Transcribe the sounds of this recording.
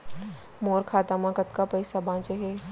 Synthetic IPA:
moːɾkʰaːt̪amãkɐt̪kapɐɪsabãːt͡ʃeɦeː

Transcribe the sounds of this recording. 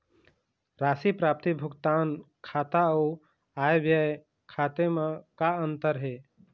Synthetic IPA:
ɾaːsipɾaːp̚t̪ibʱʊɡt̪aːn | kʰaːt̪au | aːjbjəj | kʰaːt̪emekaənt̪əɾɦeː

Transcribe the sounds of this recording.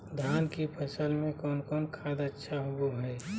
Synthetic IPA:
d̪ʱaːnkipʰɐsəlmẽkɔːnkɔːnkʰaːd̪ətːʃʰaɦʊbuɦɛː

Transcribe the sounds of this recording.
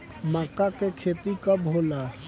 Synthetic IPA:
maːkakekʰeːt̪ikəbɦola

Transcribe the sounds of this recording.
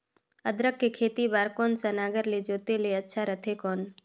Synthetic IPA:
əd̪ɾəkːekʰeːt̪ibaːɾkɔːnsənaːɡəɾled͡ʒoːt̪eleətːʃʰaɾət̪ʰekɔːn

